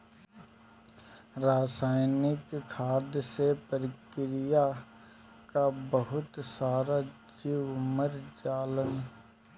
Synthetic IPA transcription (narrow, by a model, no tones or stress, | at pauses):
ɾaːsaːɪnɪkkʰːaːd̪jəsepəɾɪkɾija | kabəɦʊt̪saːɾad͡ʒiːwməɾd͡ʒaːlən